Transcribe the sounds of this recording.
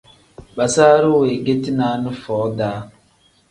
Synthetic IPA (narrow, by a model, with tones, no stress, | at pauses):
ɓa˨saː˦ɾu˦we˨ɡe˦ti˦na˨˦nu˦fɔː˨˦daː˨˦